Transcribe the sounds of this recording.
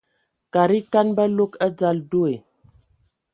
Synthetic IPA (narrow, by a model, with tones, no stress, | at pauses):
ka˨ɾi˦ka˦nbə˦lo˦kə˦d͡za˦ldu˦e˨